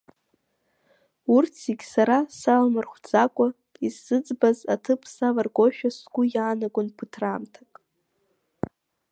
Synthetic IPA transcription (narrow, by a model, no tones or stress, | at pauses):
urt͡sʰiɡʲsaɾasalmarχʷd͡zakʷʼʊ | izɨd͡zbazatʰɨpʰsalarɡʷoʃᶣasɡʷʊjaːnaɡʷʊnpʰɨtʰramtʰakʼ